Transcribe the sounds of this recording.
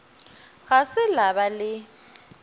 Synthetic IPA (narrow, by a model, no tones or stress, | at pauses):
ɣasɪlabalɪ